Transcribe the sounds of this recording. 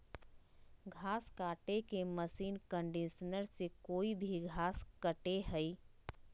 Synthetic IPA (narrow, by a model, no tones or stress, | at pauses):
ɡʱaːskaːʈekeməsiːnkə̃ɳɖiʃnəɾsekoːibʱiɡʱaːskəʈeɦɛi